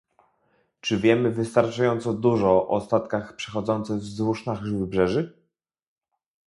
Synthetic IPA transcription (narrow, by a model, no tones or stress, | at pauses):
t͡ʂɘvʲjɛmɘvɘst̪aɾt͡ʂajɔnt̪sɔd̪uʐɔʔɔst̪at̪kaxpʂɛ̥xɔd̪zɔnt̪sɘɣvzwuʂnaɣvɘbʐɛʐɘ